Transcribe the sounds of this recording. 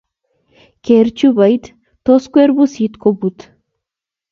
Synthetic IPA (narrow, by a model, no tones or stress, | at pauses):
keɾt͡ʃubajt̪ | t̪oskueɾbusit̪kobut̪